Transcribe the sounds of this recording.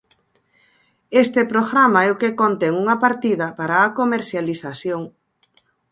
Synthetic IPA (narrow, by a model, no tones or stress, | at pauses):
est̪epɾoɣɾamaɛʊkekont̪ɛŋuŋɐpaɾt̪iðɐpaɾaːkomeɾθjalisasjoŋ